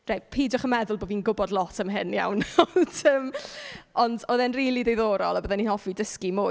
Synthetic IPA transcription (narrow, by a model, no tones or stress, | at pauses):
r̥epʰiːdjɔχəmɛðʊlˠboːviːnɡʊbɔdlˠɔtʰəmɦɪnja̰wnɔndəːm | ɔndɔðɛnriːlˠidejðoːɾɔ̰lˠabəðɛninhɔfidəskimʊ